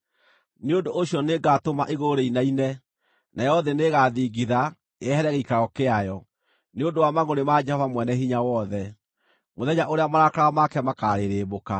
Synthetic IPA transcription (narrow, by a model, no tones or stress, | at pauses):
neondoʔːɕjɔneɡatomaʔeɣoɾeinainɛ | najɔðɛneɣaðiɡiða | eɛhɛɾɛɣeikaɣɔkeajɔ | neondowamaɣonemad͡ʒɛhɔvamwɛnɛhiɲawɔðɛ | moðɛɲaʔoɾeamaɾakaɾaamakɛmakaɾeɾeːβoka